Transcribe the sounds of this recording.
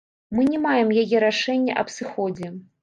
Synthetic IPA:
mɨnʲɛmajɛmjajɛɾaʂɛnʲːɐ̰ʔɐpsɨxɔd͡zʲɛ

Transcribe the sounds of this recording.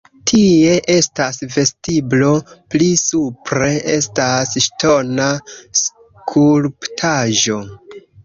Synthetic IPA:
tʰie̞ʔe̞stasve̞stiblo̞plisupɾe̞ʔe̞stasʃtʰo̞nas | kʰulptʰaʒo̞

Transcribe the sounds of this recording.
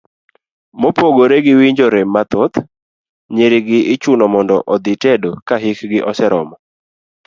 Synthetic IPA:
mopoɡoɾeɡɪwiɲd͡ʒoɾemːat̪ɔt̪ | ɲeɾɪɡɪʔɪt͡ʃunɔmɔndɔ̰ʔɔd̪ɪtɛdokaɦikɡɪʔɔsɛɾɔmɔ

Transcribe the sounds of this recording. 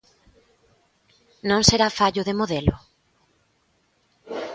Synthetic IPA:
nõŋseɾafaʎʊðemoðelʊ

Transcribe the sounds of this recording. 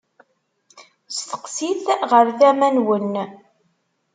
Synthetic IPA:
sθə̥qsiθʁəɾθæmænwən

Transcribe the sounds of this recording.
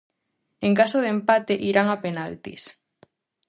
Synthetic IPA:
eŋkasoðempat̪eʔiɾaŋapenalt̪ḭs

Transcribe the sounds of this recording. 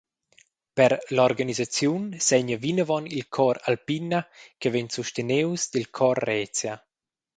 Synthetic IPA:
pɛɾlɔrɡanizat͡sjunsɛɲavinəvɔnilkʰɔɾalpinakəvɛɲsuʃt̪enewsd̪ilkʰɔrːɛt͡sja

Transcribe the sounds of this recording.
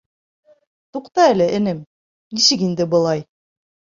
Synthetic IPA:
t̪uqt̪ɑælɘʔɘ̆nɘm | nisɘkind̪ɘbɤ̆lˠɑj

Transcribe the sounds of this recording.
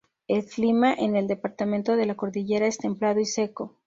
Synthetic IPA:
elflimaʔene̞ld̪e̞paɾt̪amẽ̞nt̪o̞ðe̞lako̞ɾðiʝe̞ɾaest̪e̞mplaðo̞ise̞ko̞

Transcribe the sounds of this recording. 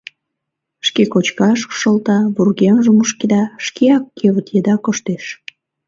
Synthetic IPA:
ʃkekot͡ɕkɑʃkʃolt̪ɑβurɣɑmʒəmuʃked̪ɑʃkeɑkːeβət̪jed̪ɑkoʃt̪eʃ

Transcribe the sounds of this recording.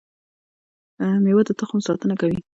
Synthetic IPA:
mewad̪ət̪əxʊmsɑt̪ənakawi

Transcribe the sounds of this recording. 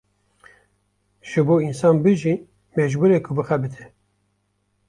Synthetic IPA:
ʒ̥ɨboːinsɑːnbɨʒin | mɛʒbuːɾeːkʰʊbɨxɛbɨt̪ʰɨ

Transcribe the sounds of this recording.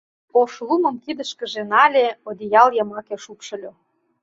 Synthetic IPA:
oʃlˠumə̆mkid̪ə̆ʃkə̆ʒĕnɑlʲeod̪ʲijɑljəmɑkeʃupʃɤ̆lʲo

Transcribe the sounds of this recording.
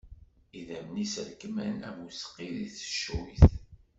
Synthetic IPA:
iðæmnisəɾkəmænæ̰musqːiðiθə̥ʃθ

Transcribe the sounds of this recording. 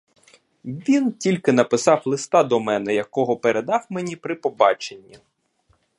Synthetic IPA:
ʋʲintʲilʲkɪn̪ɐpɪsɑwlˠɪst̪ɑd̪ɔmɛnɛjɐkɔɦɔpeɾed̪ɑwmenʲipɾɪpɔbɑt͡ʃenʲːi

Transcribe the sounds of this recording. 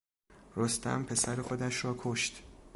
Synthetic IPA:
ɾost̪æ̰mpʰe̞sæɾexod̪æʃɾɒːkʰoʃt̪

